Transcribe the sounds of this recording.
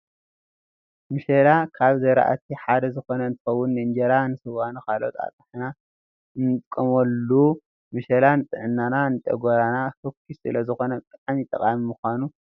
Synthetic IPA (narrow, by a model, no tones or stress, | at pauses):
mɨʃɐlakʰaβzɐjɾa̰ʔa̰t̪ʰiħad̪ɐzɨxo̞nɐɨnt̪ʰɨ̥xɐwːʊnːɨɨnd͡ʒɐɾanɨsɨwanukʰalo̰t̪ʰʼa̰t̪ʼɨħna | ɨnɨt̪ʼkʼːɐmolːu | mɨʃɐlanɨt̪ʼɨʕɨnːananɨt̪ʼɐ̰ɡoɾanahokʰːisɨlɐzɨxo̞nɐt̪ʼɨt̪ʼamit̪ʼɐkʼamimuxʷanu